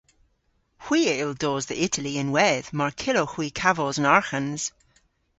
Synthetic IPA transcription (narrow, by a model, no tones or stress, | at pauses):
hw̥iːelˠdoːzðiʔɪtʰəliə̃nwɛð̥maɹkʰɪlohwiːkʰavɔzə̃naɹxə̃nz̥